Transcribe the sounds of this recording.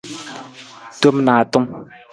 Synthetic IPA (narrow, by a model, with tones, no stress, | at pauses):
tu˦mnaː˨t̪ʊ˦ŋ